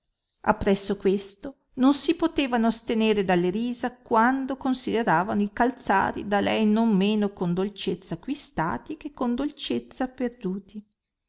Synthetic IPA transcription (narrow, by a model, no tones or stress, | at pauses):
a̰pːɾɛsːokwest̪o | nonsipot̪eːvanost̪eneːɾed̪alːeɾiːzakwand̪okonsid̪eɾaːvanoikalt̪sa̰ːɾḭd̪alɛjnommeːnokond̪olt͡ʃet̪sːakwist̪a̰ːt̪ikekːond̪olt͡ʃet̪sːaperd̪uːt̪i